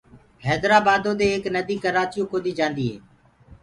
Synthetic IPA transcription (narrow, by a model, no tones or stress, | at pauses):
hɛːd̪ɾaːbaːd̪õːd̪eːeːknəd̪iːkəɾaːt͡ʃɪjõːkoːd̪iːd͡ʒãːnd̪iːɦḛː